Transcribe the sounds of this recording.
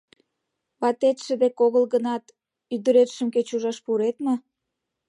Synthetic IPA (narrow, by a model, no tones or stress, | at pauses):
βɑt̪et̪ʃə̆d̪ekoɣəlɣənɑt̪ | yd̪əɾet̪ʃə̆mket͡ɕuʒɑʃpuɾet̪mə